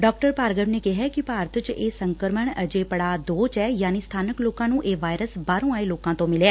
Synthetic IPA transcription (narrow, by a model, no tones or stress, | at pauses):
ɖɔːk̚ʈəɾpaːɾɡəmneːkɪɦɛːkɪpaːɾət̪t͡ʃeːsəŋkəɾməɳəd͡ʒeːpəɽaːd̪oːt͡ʃɛːjaːniːst̪ʰaːnəkloːkãːnũːʔeːʋaːjɾəsbaːɾõːaːeːloːkãːt̪õːmɪleɛː